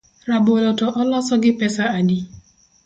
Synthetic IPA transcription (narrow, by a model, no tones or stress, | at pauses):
ɾabʊlɔtɔʔɔlɔsɔɡɪpɛsaadi